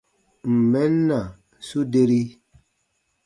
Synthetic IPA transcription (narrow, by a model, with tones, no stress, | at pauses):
m̩˨mɛ˦nːa˨ | su˦de˦ɾi˦